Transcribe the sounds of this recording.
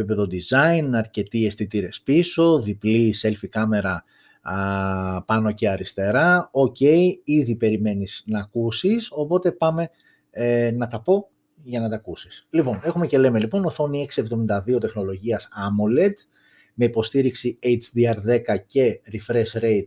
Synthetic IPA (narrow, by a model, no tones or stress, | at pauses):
ipe̞ðo̞d̪izɐinɐɾce̞t̪iest̪it̪iɾe̞spiso̞ðiplise̞lfikɐme̞ɾɐ | pɐno̞ce̞ɐɾist̪e̞ɾɐo̞ce̞iiðipe̞ɾime̞niznɐːkusiso̞po̞t̪e̞pɐme̞ | nɐt̪ɐpo̞ | ʝɐnɐt̪ɐkusislipo̞ne̞xume̞ce̞le̞me̞lipo̞noθo̞nie̞ksie̞vðo̞mind̪ɐðio̞t̪e̞xno̞lo̞ʝiɐsɐmole̞d̪ | me̞ipo̞st̪iɾiksiejt͡ʃd̪iɐɾðe̞kɐce̞ɾifɾesɾe̞jt̪